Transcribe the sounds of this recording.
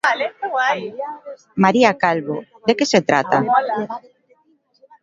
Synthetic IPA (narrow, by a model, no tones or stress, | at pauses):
maɾiakalβo | d̪ekeset̪ɾa̰t̪a̰